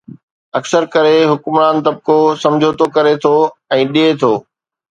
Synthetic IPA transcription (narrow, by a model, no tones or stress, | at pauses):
ɐksəɾkɐɾeɦʊkmɾaːnt̪ɐb̚kosɐ̃md͡ʑʱot̪okɐɾet̪ʰoːɛ̃ːɗiet̪ʰoː